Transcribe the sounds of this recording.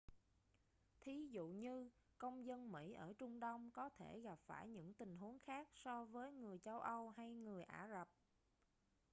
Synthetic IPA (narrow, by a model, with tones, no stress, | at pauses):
t̪ʰi˨˦zṵ˧˨ɲɨ˧ | kə˧wŋ͡mzə˧nmḭ˧˥ʔəː˧˩t͡ɕʊ˧ŋ͡mɗə˧wŋ͡mkɔ˨˦t̪ʰe˧˩ɣa˨˩p̚faː˧˩jɲɨ̰˧˥ŋt̪ï˨˩ŋ̟ɦu˨˦əŋxaː˦˥k̚sɔ˧vəː˨˦jŋɨ˨˩əjt͡ɕə˧wʔə˧wɦa˧jŋɨ˨˩əjʔaː˧˩zə˨˩p̚